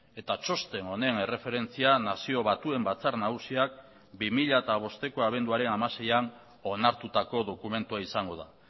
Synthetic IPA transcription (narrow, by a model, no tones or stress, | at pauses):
e̞t̪at͡ʃo̞st̪e̞no̞ne̞ne̞re̞fe̞ɾe̞nt͡sianasio̞β̞at̪ue̞mbat͡saɾnaɣusiak̚ | bimiʎaet̪aβ̞o̞st̪e̞ko̞aβ̞e̞nd̪uaɾe̞namase̞jan | o̞naɾt̪ut̪ako̞ðo̞kume̞nt̪uaisaŋɡo̞ð̞a̰